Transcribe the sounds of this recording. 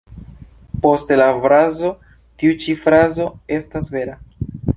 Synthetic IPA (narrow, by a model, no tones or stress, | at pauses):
po̞stelafɾazo̞ | tiut͡ʃifɾazo̞e̞stasve̞ɾa